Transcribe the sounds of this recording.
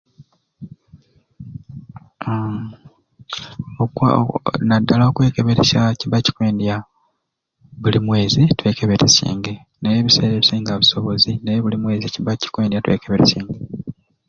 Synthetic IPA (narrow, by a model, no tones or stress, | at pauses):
oknadːalao̞kwe̞ːkeβeɾeʃaciβaci̥kwe̞ːndija | βulimwe̞ːzitwe̞ːkeβeɾesḭːŋɡe̞ | nejeːβise̞ːɾeβisiːŋɡaβiso̞βo̞zinejeβulimwe̞ːziciβaci̥kweːndijatwe̞̰ːkeβeɾesiːŋɡe